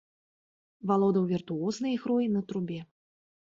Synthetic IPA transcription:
valˠɔd̪ɐwvʲirt̪uɔznɨjixɾɔjinɐt̪ɾubʲɛ

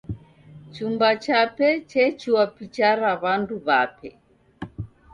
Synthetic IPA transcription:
t͡ʃumbat͡ʃapɛt͡ʃɛt͡ʃiwapit͡ʃaɾaβanduβapɛ

